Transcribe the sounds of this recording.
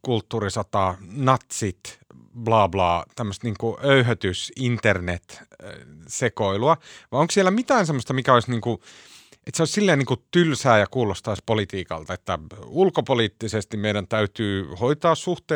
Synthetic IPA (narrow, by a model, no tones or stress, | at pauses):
kult̪ːuːrisɑt̪ɑnɑt̪sit̪ | blɑːblɑːt̪æmːøst̪niːŋkuʔøyhøt̪ysint̪ernet̪ | sekoiluɑʋɑioŋkssielːˑæmit̪æːnsemːost̪ɑmikæoisniːŋku | ʔet̪seoˑissilːeːniːŋkut̪ylsæːjɑkuːlost̪ɑispolit̪iːkɑ̰lt̪ɑet̪ːæulkopoliːt̪ːisest̪imeidænt̪æyt̪yːhoit̪ɑːssuht̪eː